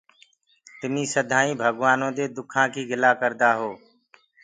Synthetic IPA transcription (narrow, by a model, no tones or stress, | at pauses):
t̪ɪmĩːsəd̪ʱãːĩːbʱəɡʋaːnõːd̪eːd̪ʊkʰãːkʰiːɡʱɪlaːkəɾd̪aːɦoː